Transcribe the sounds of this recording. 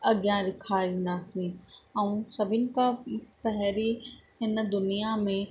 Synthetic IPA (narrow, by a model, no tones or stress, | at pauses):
ɐɡijãɾɪkʰaĩːn̆d̪aːsĩɛ̃ũsɐbʱɪnɪ̆kãpɛɦɾiɦɪn̆d̪ʊnijamẽ